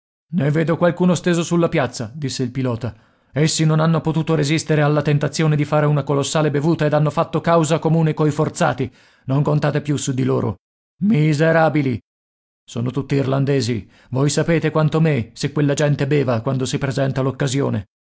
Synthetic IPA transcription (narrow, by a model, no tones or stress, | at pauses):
neveːd̪okwalkuːnost̪eːzosulːapjat̪sːad̪isːeilpilɔːt̪a | esːinonanːopot̪uːt̪oɾezist̪eɾealːat̪ent̪at̪sːjoːned̪ifaːɾeunakolosːaːlebevuːt̪aed̪anːofat̪ːokawzakomuːnekojfort̪sa̰ːt̪i | noŋkont̪aːt̪epjusud̪iloːɾo̰ | mizeɾaːbili | soːnot̪ut̪ːiːrland̪eːzi | vojsapeːt̪ekwant̪omesekːwelːad͡ʒɛnt̪ebɛːvakwand̪osipɾezɛnt̪alokːazjoːne